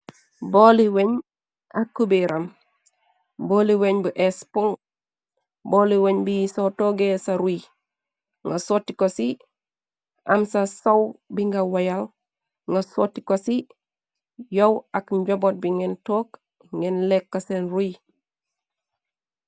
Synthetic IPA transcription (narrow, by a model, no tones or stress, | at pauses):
boːliweɲ | ɐkːubiɾʔɐm | boliweɲbuʔɛspuŋ | boːliweɲbijisowtoɡesɐɾuj | ŋɡasotikosi | ʔɐmsɐsowbiŋɡawɐjal | ŋɡɐsotːi̥kosi | jowɐkɲɟobot̚biŋɛntoːk | ŋɛnlekːɐsenruj